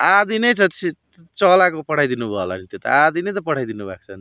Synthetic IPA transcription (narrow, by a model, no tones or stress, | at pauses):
ad̪inejt͡sʰʌi | t͡sʌlakopʌʈʰajd̪inubʱʌla̰nit̪jet̪a̰ad̪inejt̪ʌpʌʈʰajd̪inubʱa̰k̚t͡sʰʌn